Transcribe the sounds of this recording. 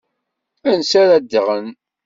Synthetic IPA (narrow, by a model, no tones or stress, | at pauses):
ænsæɾæd̪ːəʁən